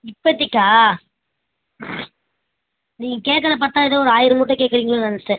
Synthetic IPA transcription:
ɪpːɐt̪ːɪkːaː | niːŋɡɐkeːʈkːɐlɐp̬ɐɾt̪ːaːɪðɐ̃ːɔɾɯaːjɪɾɯmuːʈːɐ̃keːkːɪɾiːŋɡɐɭonɐnɐsɐ

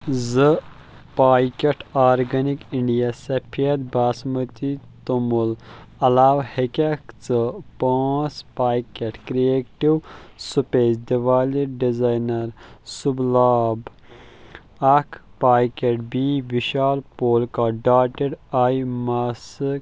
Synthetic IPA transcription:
zɨ | paːjkɐʈaːɾɡɐnikiɳɖijasɐpʰiɐt̪baːsmɐt̪it̪umul | ɐlaːʋhekʲɐkt͡sɨpaːspaːjkɐʈkɾijeːkʈiwsupeːzd̪iʋaːliɖizaːjnɐɾsublaːb | ɐkʰpaːjkeʈbiːʋiʃaːlpoːlkaɖaːʈiɖaːjmaːsik

